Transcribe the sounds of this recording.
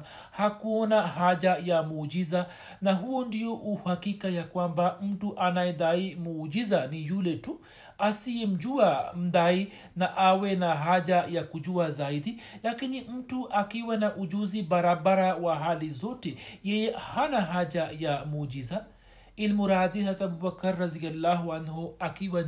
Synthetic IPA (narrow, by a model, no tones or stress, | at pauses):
hakuɔnahaʄajamuːd͡ʒiza | naɦuɔndijɔʔuhakikajakwambam̩tuʔanajɛðaimuːd͡ʒizanijulɛtu | asiɛm̩d͡ʒuam̩dai | naʔawɛnaɦaʄajakud͡ʒuazaidilakinim̩tuʔakiwanaʔud͡ʒuzibaɾabaɾawaɦalizɔtɛjɛjɛhanaɦad͡ʒajamuːd͡ʒiza | ilmuɾad̪ihat̪abubakaɾːaðialːaɦuanɦuakiwa